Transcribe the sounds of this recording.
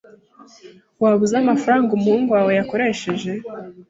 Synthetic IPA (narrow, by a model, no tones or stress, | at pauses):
waβuzamafaɾaːŋɡumuuŋɡwaːwe̞jako̞ɾe̞ʃe̞ʒe̞